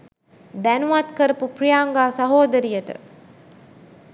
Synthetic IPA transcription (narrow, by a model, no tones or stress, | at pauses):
d̪ænuʋat̪kəɾəpuprijaːŋɡaːsɐɦoːd̪əɾijəʈə̰